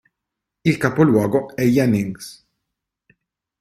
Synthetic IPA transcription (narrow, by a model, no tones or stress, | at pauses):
ɪlkɐpɔlwɔːɡɔɛjːɐnɪŋɡs